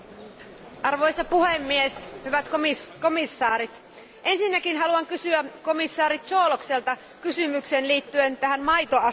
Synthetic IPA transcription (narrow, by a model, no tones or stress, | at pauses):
ʔɑrʋo̞jsɑpuhemːieshyʋæt̪kiko̞misːɑːɾit̪ | ʔe̞nsinːækinɦɑluɑŋkysyæko̞misːɑːɾit̪t͡ʃo̞ːlokselt̪ɑ | kysymykseːnliːt̪ːyent̪æɦænmɑjt̪oɑ